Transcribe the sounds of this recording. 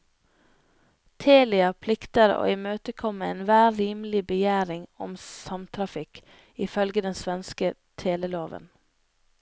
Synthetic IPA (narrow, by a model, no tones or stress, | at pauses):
t̪ʰeːlɪɑpʰlɪkt̪əɾo̰ːiːmøːt̪əkʰɔməeːnʋæːɾiːməl̩ɪbəjæːɾɪŋɔmsɑmt̪ʰɾɑfɪk | ɪfœlɡəd̪ɛnsʋɛnskət̪ʰeːləloːʋə̰n